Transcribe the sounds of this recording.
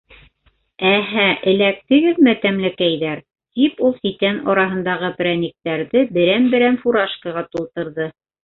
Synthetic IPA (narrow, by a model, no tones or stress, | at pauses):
æɦæʔɘ̆læk̚t̪ɘ̆ɡɘðmæt̪æmlækæjðæɾ | t̪ipulˠsit̪ænɒɾɑɦɤ̆nd̪ɑʁɤpɾænʲɘ̆k̚t̪æɾðɘbɘ̆ɾænbɘ̆ɾænfuɾɑʃkaʁɑt̪ulˠt̪ɤ̆ɾðɤ